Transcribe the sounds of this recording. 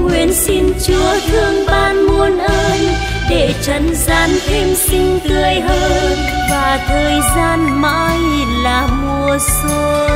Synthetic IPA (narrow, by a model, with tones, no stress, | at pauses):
ŋwḭ˧˥ənsi˧nt͡ɕu˧˥ət̪ʰɨ˧əŋɓaː˧nmu˧ənʔəː˧n | ɗe˧˩t͡ɕə˨˦nzaː˧nt̪ʰe˧msï˧ŋ̟k̪ɨ˨˧˩əjhəː˧ | vaː˨˩t̪ʰəː˨˩jzaː˧nma̰ː˧˥jlaː˨˩mu˨˧˩əso˧